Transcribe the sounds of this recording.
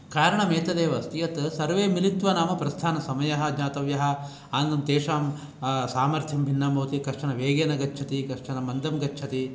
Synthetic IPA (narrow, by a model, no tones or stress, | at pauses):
kaːɾɐɳɐmeːt̪ɐd̪eːʋɐst̪ijɐt̪sɐɾʋeːmilit̪ʋɐnaːmɐpɾɐst̪ʰaːnɐsɐmɐjɐɦɐd͡ʒaːt̪ɐʋjɐɦɐ̆ | aːnd̪ɐmt̪eːʂaːm | saːmɐɾt̪ʰjɐmbʱinːɐmoːt̪ikɐʂʂɐnɐʋeːɡeːnɐɡɐtːt͡ʃʰɐt̪ikɐʂʂɐnɐmɐnd̪ɐmɡɐtːt͡ʃʰɐt̪i